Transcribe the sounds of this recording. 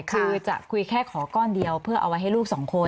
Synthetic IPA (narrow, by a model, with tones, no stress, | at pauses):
kʰɯː˧t͡ɕa̰˨˩ʔkʰu˧jkʰɛː˥˩kʰɔː˩˦kɔː˥˩ndi˧əwpʰɯ˥˩ɐʔa̰˧wa˦jɦa˥˩jluː˥˩k̚sɔː˩˦ŋkʰo˧